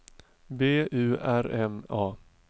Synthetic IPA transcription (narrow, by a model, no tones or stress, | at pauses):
beːʉ̟ːæɾɛmɑː